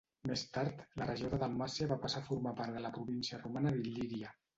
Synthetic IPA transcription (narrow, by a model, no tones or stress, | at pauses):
mest̪aɾt̪lərəʒioðəðalˠmasiəβapasafuɾmapaɾðələpɾuβinsiərumanəðiliðiə